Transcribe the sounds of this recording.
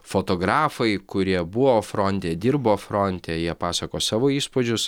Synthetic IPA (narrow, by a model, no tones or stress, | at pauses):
foːt̪oːɡɾɑːfɐɪkʊɾʲiɛbʊʋoːfɾɔnʲt̪ʲeːd̪ʲiːɾboːfɾɔnʲt̪ʲeːjiɛpɑːsɐkoːsɑːʋoːiːspod͡ʒʲʊs